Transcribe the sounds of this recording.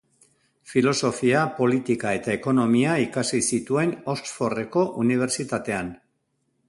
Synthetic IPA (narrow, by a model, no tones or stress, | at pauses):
filo̞so̞fiapo̞lit̪ikae̞t̪aeko̞no̞miaikasisit̪ue̞no̞sfo̞re̞ko̞ʔuniβ̞e̞ɾt͡ʃit̪at̪e̞an